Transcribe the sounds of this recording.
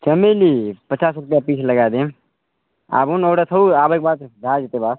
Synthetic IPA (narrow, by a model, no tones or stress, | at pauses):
t͡ʃɐmelipət͡ʃaːsɾʊpjapiːt͡ʃʰləɡaːd̪ẽ | a̰ːbunoːɽat̪ʰəuaːbeːk̚baːt̪b̪ʱaːd͡ʒet̪ebaːs